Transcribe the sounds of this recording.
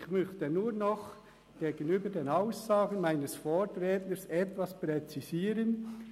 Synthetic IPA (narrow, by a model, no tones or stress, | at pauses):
çmʏçtənuːʁnɔχ | ɡ̥eːɡənyːbədeːnaʊsːaːɡən̩maɪnəsfoːtɾɛːtləsɛtvaspʁɛt͡siziːɾən